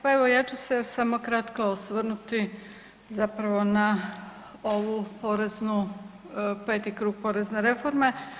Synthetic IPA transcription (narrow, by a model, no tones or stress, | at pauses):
paeʋo̞jet̪usesamokɾat̪kaosʋr̩nut̪i | zapɾaʋo̞na | o̞ʋupo̞ɾe̞znu | pe̞ːt̪ikɾuːɡ̚po̞ɾe̞zne̞ɾe̞fo̞ɾme̞